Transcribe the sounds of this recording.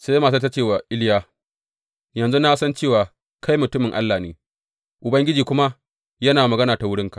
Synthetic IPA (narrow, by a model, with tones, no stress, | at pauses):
seː˦jmaː˨s̬a˦ta˦t͡ʃeː˦˨wa˨ʔɪ˦ljaː˦ | jɐ˨nzu˦na˦sɐ˦nt͡ʃeː˦˨waː˨ | kʰa˦jmʊ˨tʊ˦mɪ˨ŋʔa˦lːaː˨neː˨˦ | ʔʊ˨bɐ˦ŋɡʲɪ˦d͡ʒiː˨kʷʊ˦ma˦ | jɐ˦naː˨mɐ˨ɡɐ˦naː˨ta˨wʊ˦ɽɪ˦ŋka˨ʔ